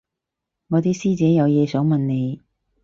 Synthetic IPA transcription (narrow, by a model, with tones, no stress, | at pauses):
ŋɔː˨˧t̪iː˥siː˥t͡sɛː˨˥jɐ˨˧wjɛː˨˧sœː˨˥ŋmɐ˨nne˨˧j